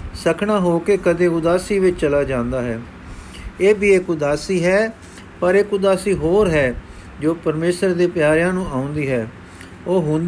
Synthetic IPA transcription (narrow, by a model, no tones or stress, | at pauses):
səkʰɽaːɦoːkeːkəd̪ẽːʊd̪aːsiːʋɪt͡ʃt͡ʃəlaːd͡ʒãːnd̪aːɦɛː | eːbiːeːkʊd̪aːsiːɦɛː | pəɾeːkʊd̪aːsiːɦoːɾɦɛː | d͡ʒoːpəɾmeːsəɾd̪eːpjaːɾjãːnũːʔaːʊ̃nd̪iːɦɛː | oːɦʊ̃nd̪